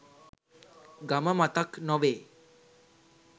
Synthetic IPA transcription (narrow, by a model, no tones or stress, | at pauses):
ɡaməmat̪əknɔʋeː